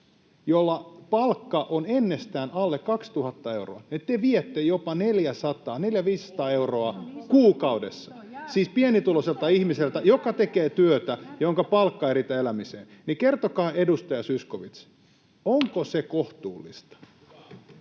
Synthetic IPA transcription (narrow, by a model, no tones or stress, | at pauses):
jolːɑpɑlkːɑʔonenːest̪æːnɑlːekːɑkst̪uhɑt̪ːɑeuro̰ɑet̪ːeʋiet̪ːejopɑneljæsɑt̪ɑːneljæʋiːsːɑ̥t̪ɑːeuroɑkuːkɑudesːɑ̥siːspienit̪uloselt̪ɑihmiselt̪æjokɑt̪ekeːt̪yøt̪æjoŋkɑpɑlkːɑeɾit̪æelæmisḛːnnikert̪okɑːedust̪ɑjɑsyskoʋit̪s | oŋkosekoht̪uːlːist̪ɑ̥